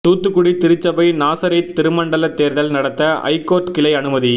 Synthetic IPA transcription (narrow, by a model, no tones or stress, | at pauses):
t̪uːt̪ːɯkːʊɽit̪ɪɾɯt͡ʃːɐbɐɪnaːsɐɾɐɪt̪ːɪɾɯmɐɳɖɐlɐt̪ːeːɾðɐlnɐɽɐt̪ːɐɐ̰ɪkːoːɾʈkɪlɐɪɐnɯmɐði